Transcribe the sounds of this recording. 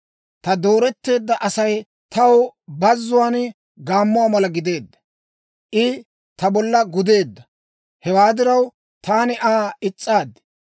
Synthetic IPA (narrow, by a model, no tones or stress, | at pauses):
t̪ɐd̪o̞ːɾɛt̪ːe̞ːd̪ːɐʔɐsɐj | t̪ɐwbɐzːʊwaːn | ɡaːmːʊaːmɐlɐɡɪd̪e̞ːd̪ːɐ̥ | ʔɪ | t̪ɐbɔlːɐɡʊd̪e̞ːd̪ːɐ | hɛwaːd̪ɪɾɐw | t̪aːnɪʔaːɪt͡sʼːaːd̪ːɪ̥